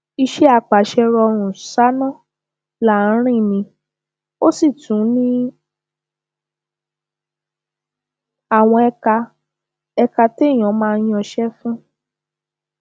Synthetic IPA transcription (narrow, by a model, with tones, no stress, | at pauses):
i˧ʃɛ˦a˨k͡pa˨ʃɛ˧ɾɔ˧ɾ̃ũ˨sa˦nɔ̃˦˨ | la˦˨˦ɾ̃ĩ˦˨nĩ˧˦ | o˦si˦˨tũ˨˦nĩ˦ | a˦˨w̃ɔ̃˧ɛ˧ka˧ | ɛ˧ka˧te˦˨j̃ɔ̃˨˦mãː˦˧˦jĩ˦ɔ̃˧ʃɛ˦fũ˦